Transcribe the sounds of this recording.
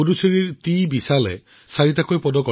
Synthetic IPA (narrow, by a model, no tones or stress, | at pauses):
udusiɹiɹt̪ibisalɛ | saɹit̪akʰojpɔdɔkɔ